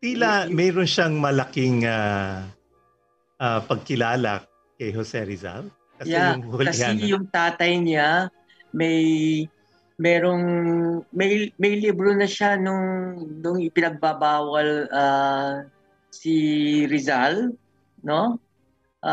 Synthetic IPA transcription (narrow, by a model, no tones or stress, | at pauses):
t̪iːlamɛːɾonʃaŋmɐlɐkɪŋa | ʔapɐɡ̚kɪlaːlɐ̰ | kɐjɦosɛɾɪza̰l | kɐjɛŋholkɐsaɛjʊŋt̪aːt̪ɐjɲa | mɐj | mɛːɾoŋmɐjmɐjlibɾonɐʃanʊŋnʊŋɪpɪnɐɡ̚babaːwɐla | siɾɪzal | no̞ | ʔ